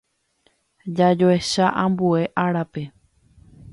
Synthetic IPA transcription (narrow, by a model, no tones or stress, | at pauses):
d͡ʒad͡ʒoe̞ʃaʔãmbue̞ʔaɾape̞